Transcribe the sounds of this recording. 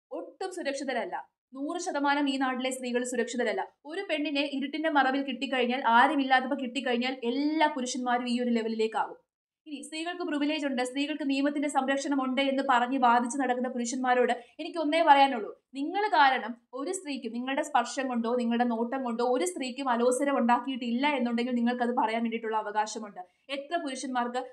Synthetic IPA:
o̞ʈːumsuɾɐkʂiðɐɾɐlːɐ̰ | nuːrɨɕɐðɐmaːnɐmiːnaːʈːile̞st̪riːɣɐɭsuɾɐkʂiðɐɾɐlːɐo̞ɾupe̞ɳːine̞ʔiɾuʈːinde̞mɐrɐʋilkiʈːik̬ːɐɻiɲːaːlʔaːɾɐmilːaːt̪ːɐpːokiʈːikːɐɻiɲːaːle̞lːaːkuɾuʂɐnmaːɾumiːoɾule̞ʋɐlile̞ːkːaːʋum | inist̪riːɣɐɭkɨpriʋile̞ːd͡ʑuɳɖɨst̪riːɣɐɭkɨniːmɐt̪ːinde̞sɐmɾɐkʂɐnɐmoɳɖeenːɨpɐrɐɲːɨʋaːd̪ʱit͡ɕːunɐɽɐkːunːɐpuɾuʂɐnmaːɾo̞ːɽɨe̞nikʲːɨo̞nːe̞ːpɐrɐjaːnuɭːu | niŋːɐɭkaːɾɐɳɐm | o̞ɾust̪riːkʲːumniŋːɐɭɨɽe̞spɐrʂɐŋkoɳɖo̞ːniŋːɐɭuɽe̞no̞ːʈːɐmkoɳɖo̞ːoɾust̪riːkʲːumɐlo̞ːsɐɾɐmuɳɖaːkːijiʈːilːɐe̞nːuɳɖe̞ŋɡilniŋːɐɭkɐðɨpɐrɐjaːnʋeɳɖiʈːuɭːɐːʋɐɣaːɕɐmuɳɖɨ | e̞t̪rɐpuɾuʂjɐnmaːrkɨ

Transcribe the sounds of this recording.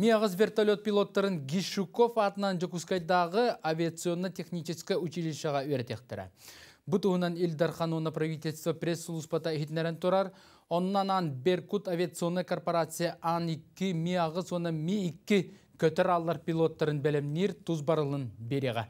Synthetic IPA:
miɑʁəzvʲe̞rt̪olʲo̞t̪̚pʲijlˠo̞t̪ːɑɾənɡʲiʃuko̞fɑt̪ənɑnd͡ʒokuskɑjd̪ɑʁəavʲijat̪sɨo̞nːət̪ʰe̞χnit͡ʃɪskʲɪʉt͡ʃileʃɑʁɑweɾt̪ekt̪ɪɾɪ̰ | bʊt̪uhənɑnilʲd̪ɑɾχɑnwonːɑprɐvijt̪ʲelʲst̪vɐpʲrʲe̞sːulˠuspɑt̪ɑet̪neɾent̪ʰuɾɑɾ | o̞nːɑnɑnbe̞rkut̪avʲijat̪sɨo̞nːajkʰo̞rpo̞ɾat̪sɨjaʔɑnɪkʲːɪmʲiɑʁəzwo̞nəmʲeːkʲːɪkʲʰɵt̪æɾɑlˠːɑɾpʲilˠo̞t̪ːɑɾənbælemneɾt̪ʰuzbɑɾəlˠənbeɾeʁɑ̰

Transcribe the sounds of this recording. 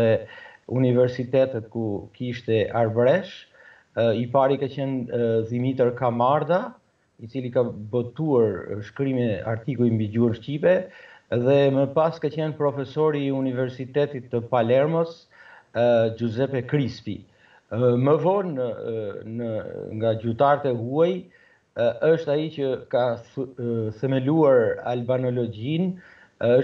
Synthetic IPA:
ɛunivɛɾsit̪ɛt̪ɛt̪̚kukiʃt̪ɛaɾbɾɛʃ | ipaɾikat͡ɕɛnðimit̪ɛɾkamaɾd̪a | it͡silikabɔt̪uaɾʃkɾimɛa̰ɾt̪ikuimbiɟuənʃcipɛðɛməpaskat͡ɕɛnpɾɔfɛsɔɾiunivɛɾsit̪ɛt̪it̪ːəpalɛɾmɔs | d͡ʒuzɛpɛkɾispḭ | məvɔn | nəŋɡad͡ʑut̪aɾt̪ɛɦuaj | əʃt̪ait͡ɕəka | θəmɛluaɾa̰lbanɔlɔd͡ʑin | ə

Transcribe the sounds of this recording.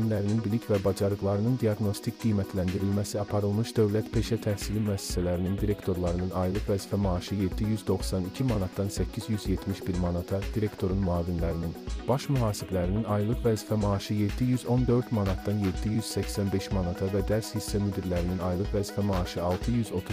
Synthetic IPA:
inlæɾininbilicʰvɛbɑd͡ʒɑɾɯqlˠɑɾɯnɯnd̪ijɑɡno̞st̪ʰicɡ̥ijmæt̪ʰlænd̪iɾilʲmæsiɑpʰɑɾɯlˠmɯʃd̪ø̞vlæt̪pʰe̞ʃɛt̪ʰæhsilimyæsːɛ̥sælæɾinind̪iɾe̞kt̪ʰo̞ɾlˠɑɾɯnɯnɑjlˠɯqvæzifæmɑːʃɯjed̪ːijyzd̪o̞xsɑnicʰimɑnɑt̪̚d̪ɑnsɛcʰizjyzjet̪ʰmiʃbiɾmɑnɑt̪ʰɑd̪iɾekt̪ʰo̞ɾunmuɑːvinlæɾininb̥ɑʃmyɦɑːsiblæɾininɑjlˠɯqvæzifæmɑːʃɯjed̪ːijyzo̞nd̪ø̞ɾt̪manɑt̪d̪ɑnjed̪ːijyz̥sɛcsænbe̞ʃmanɑt̪ʰɑvɛd̪æɾshisːɛmyd̪iɾlæɾininɑjlˠɯqvæzifæmɑːʃɯɑlˠt̪ʰɯjyzo̞t̪ʰu

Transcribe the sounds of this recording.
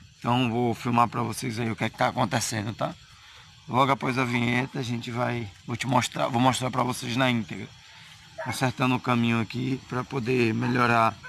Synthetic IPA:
ẽt̪ɐ̃w̃vowfiwmapɾɐvosejzaiʊkɛkɪ̥t̪aːkõnt̪esẽnd̪ʊt̪a | lɔɡapɔjzɐvĩɲet̪ɐaʒẽt͡ʃɪvajvot͡ʃɪmoʃt̪ɾa̰vowmɔʃt̪ɾaɾpɾɐvosejznɐĩt̪eɡɾɐ | õsɛɾt̪ɐ̃nd̪ʊʊkɐ̃mĩɲʊakipɾɐpod̪emeʎɔɾa

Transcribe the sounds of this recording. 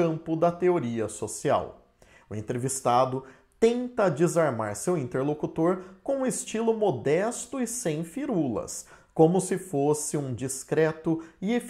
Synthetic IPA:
ɐ̃mpʊd̪ɐt̪eoɾiɐsosia̰w | ʊẽnt̪ɾevist̪ad̪ʊ | t̪ẽnt̪ɐd͡ʒizaɾma̰ɾsewĩnt̪eɾlokut̪oɾkõũɪst͡ʃilʊmod̪ɛst̪ʊɪsẽj̃fiɾulɐ̰s | kõmʊsɪfosɪũd͡ʒiskɾɛt̪ʊief

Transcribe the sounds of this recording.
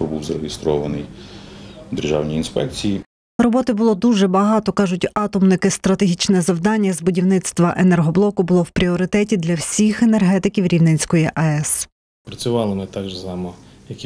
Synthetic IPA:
pɔbuwzɐɾeɦɪst̪ɾɔʋɐnɪj | d̪erʒɑwnʲiinspɛk̚t͡sʲiji | rɔbɔt̪ɪbʊlˠɔd̪uʒɛbɐɦɑt̪ɔkɑʒʊtʲɑt̪ɔmnɪkɪst̪ɾɐt̪eɦʲit͡ʃnɛzɐwd̪ɑnʲːɐzbʊdʲiwnɪt̪st̪ʋɐʔenɛrɦɔblˠɔkʊbʊlˠɔwpɾʲiɔɾɪt̪ɛtʲid̪lʲɐwsʲixenerɦɛt̪ɪkʲiwɾʲiwnɪnʲsʲkɔjiʔɐɛs | pɾɐt͡sʲʊʋɑlˠɪmɪt̪ɑɡʒzɑmɔ | jɐkʲi

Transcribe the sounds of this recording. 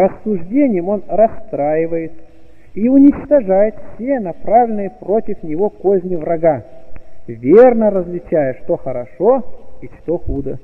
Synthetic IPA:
rəsːʊʐdʲenʲɪjəmo̞nrɐst̪ɾajɪvəjɪt̪ | iʊnʲɪt͡ɕt̪ɐʐajɪt̪fsʲenɐpɾavlʲɪnɨjəpɾo̞tʲɪfnʲɪvo̞kozʲnʲɪvrɐɡa | vʲernəɾəzlʲɪt͡ɕæjəʂt̪oxəɾɐʂoiʂt̪oxud̪ə

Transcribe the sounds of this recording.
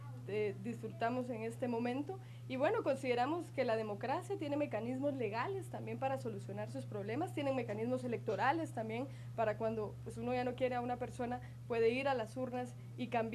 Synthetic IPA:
ed̪isfɾut̪amo̞se̞ŋe̞st̪e̞mo̞mẽ̞nt̪o̞ | iβwe̞no̞ko̞nsiðe̞ɾamo̞ske̞lað̞e̞mo̞kɾasjat̪je̞ne̞me̞kanizmozle̞ɣale̞st̪ambje̞mpaɾaso̞lusjo̞naɾsuspɾo̞βle̞mast̪jene̞ŋme̞kanizmo̞se̞le̞k̚t̪o̞ɾale̞st̪ambje̞n | paɾakwand̪o̞pwe̞suno̞ʝano̞kje̞ɾe̞aunape̞ɾso̞na | pwe̞ðe̞iɾalasuɾnas | ikamb

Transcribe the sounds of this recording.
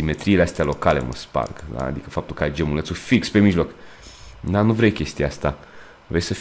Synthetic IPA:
ime̞t̪ɾiːleast̪ealo̞kale̞̰mə̰spa̰rkd̪a̰ːd̪ikəfap̚t̪ulkəajd͡ʒemulət̪sufikspe̞miʒlo̞k | d̪anuvɾejkʲe̞st̪ijaast̪a | vɾejsəf

